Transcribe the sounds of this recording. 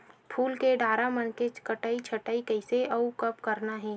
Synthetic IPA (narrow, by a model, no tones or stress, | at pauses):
pʰuːlkeɖaːɾamənkekəʈaːit͡ʃʰɐʈaːikəɪseʔɐukɐpkɐɾnaɦɛː